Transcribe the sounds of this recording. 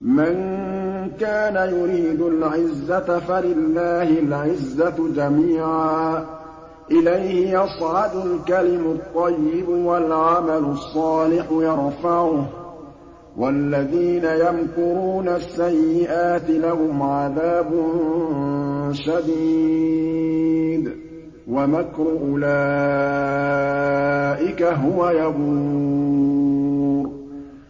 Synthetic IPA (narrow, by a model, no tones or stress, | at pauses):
man | kaːnajʊɾiːd̪ʊlʕɪzːatfalɪlːaːhɪlʕɪzːad͡ʒamiːʕaaː | ʔɪlajhɪjɑsˤʕɑd̪ʊlkalɪmʊt̪ˤːɑjːɪbwalʕamalʊsˤːɑːlɪħʊjɑɾˤfɑʕʊh | wʔalːaðiːnajamkʊɾuːnasːajːɪʔaːt̪ɪlaɦʊmʕaðaːbʊn | ʃad̪iː | d̪ | wamakɾʊʔʊlaː | ʔɪkaɦʊwajabu | ɾ